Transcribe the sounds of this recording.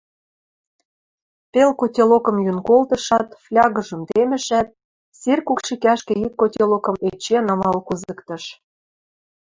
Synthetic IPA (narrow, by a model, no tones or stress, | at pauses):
pelkotʲelokɤ̆mjynkolt̪ɤ̆ʃɑt̪flʲɑɣə̆ʒə̆md̪emɘ̆ʃæt̪̚ | sirkukʃikæʃkĕjikːotʲelokɤ̆met͡ɕːenɑmɑlkuzɤ̆kt̪ɤ̆ʃ